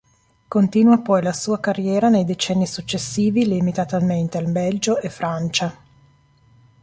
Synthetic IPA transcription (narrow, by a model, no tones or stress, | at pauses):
kont̪iːnwapɔjlasuːakarːjɛːɾanejd̪et͡ʃɛnːisut͡ʃːesːiːvilimit̪at̪alment̪ealbɛld͡ʒoʔefːɾant͡ʃa